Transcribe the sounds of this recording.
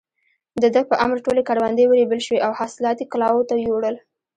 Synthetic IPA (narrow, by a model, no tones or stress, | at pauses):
d̪əd̪əpəʔa̰mɾʈolekaɽwand̪əjwəɾebəlʃweʔawhɑsɪlɑt̪iklɑwot̪ajoɽəl